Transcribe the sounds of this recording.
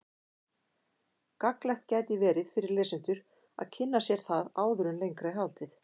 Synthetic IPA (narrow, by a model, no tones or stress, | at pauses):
kaklɛxt̪̚cɛːt̪ɪvɛːɾɪðfɪɾɪɾlɛːsʏn̥t̪ʏɾ̥ | a̰ðcʰɪnːasjɛɾ̥θaðaːwðʏɾʏnlejŋkɾajɦawlt̪ɪθ